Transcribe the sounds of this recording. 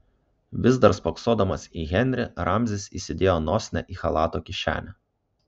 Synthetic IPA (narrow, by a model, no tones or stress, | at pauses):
ʋʲɪzd̪ɐɾspɐksoːd̪ɐmɐsiːɣʲɛnʲɾʲɪɾɑmʲzʲɪsʲiːsʲɪd̪ʲeːjoːnɔːsʲnʲɛ̰ʔiːxɐlˠɑːt̪oːkʲɪʃʲæ̰ːnʲɛ